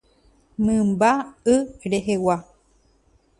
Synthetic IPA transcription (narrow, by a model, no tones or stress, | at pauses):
mɨ̃mbaɨɾeɦewa